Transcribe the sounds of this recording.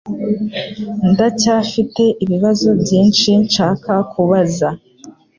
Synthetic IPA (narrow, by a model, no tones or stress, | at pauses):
ndacaːfite̞ʔiβiβazo̞bɟiːnʃint͡ʃaːkakuβaza